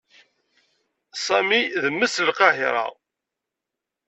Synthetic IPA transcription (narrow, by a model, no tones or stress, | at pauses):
sˤɑmiðəmːəslqɑɦiɾˤɑ̰